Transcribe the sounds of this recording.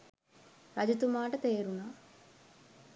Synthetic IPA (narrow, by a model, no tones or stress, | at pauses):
ɾɐd͡ʒut̪umaːʈɐt̪eːɾunɐ